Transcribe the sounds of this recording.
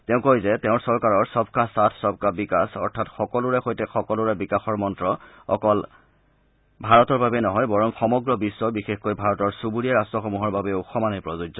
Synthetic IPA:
teʊ̃kozɛteʊ̃ɹsɔɹkaɹɔɹsɔb̚kasatʰsɔbkabikasɔɹtʰatxɔkɔlʊɹɛxojtɛxɔkɔlʊɹɛbikaxɔɹmɔntɹɔ | ɔ̰kɔl | bʱaɹɔtɔɹbabɛnɔɦɔjbɔɹɔŋxɔmɔɡɹɔbisːɔbixexkojbʱaɹɔtɔɹsubuɹiaɹastɔxɔmuɦɔɹbabɛuxɔmanɔjpɹɔzud͡ʒzɔ

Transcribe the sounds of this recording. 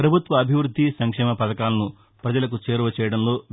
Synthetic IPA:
pɾɐbʱut̪ʋɐːbʱiʋɾud̪ʱːisɐŋkʂɛːmɐpɐd̪ɐkaːlɐnu | pɾɐd͡ʒɐlɐk̬ut͡ʃeːɾuʋɐt͡ʃɛːjɐɽɐnlo̞ː

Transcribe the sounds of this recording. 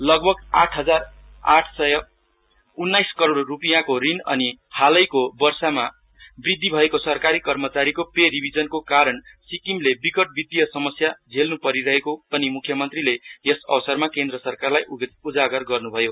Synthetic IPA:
lʌɡbʱʌɡa̰ʈʰɦʌd͡zar | a̰ʈʰsʌjʌ | unːajskʌɾoɽːupijakorinʌ̰nihalʌjkobʌrsama | brid̪ʱːibʱʌekosʌrkaɾikʌrmʌt͡saɾikopeɾibʱid͡zʌnkokaɾʌnsikimlebikʌʈ̚bid̪ʱijʌsʌmʌsjad͡zʱelnupʌɾiɾʌɦekopʌnimukʰːjʌmʌnt̪rilejesʌ̰bʌsʌrmakend̪rʌsʌrkarlajud͡zaɡʌrɡʌrnubʱʌjo

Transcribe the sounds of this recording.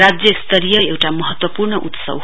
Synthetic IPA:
ad͡zjʌst̪ʰʌɾijʌewʈamʌɦʌt̪wʌpurɳʌʔut̪sʌ̰w

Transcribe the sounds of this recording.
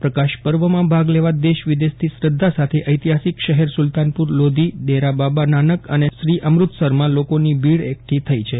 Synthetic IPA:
pɾəkaʃpəɾʋəmãbʱaɡleʋad̪eʃʋɪd̪est̪ʰisɾəd̪ʱːasat̪ʰeʔəjt̪iɦasikʃəɦɛɾsult̪anpuɾlod̪ʱid̪eɾababananəkəneʃɾiʔəmɾut̪səɾmãlokonibʱiɽekʈ̪ʰit̪ʰəit͡ʃʰe

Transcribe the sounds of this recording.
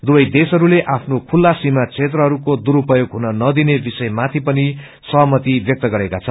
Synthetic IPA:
d̪ubʌjd̪esɦʌɾuleʔapʰnokʰulːasimat͡sʰet̪̬rʌɦʌɾukod̪uɾupʌjoɡɦunʌnʌd̪inebisʌjmat̪ʰipʌni | sʌɦʌmʌt̪ibjʌk̚t̪ʌɡʌɾekat͡sʰʌn

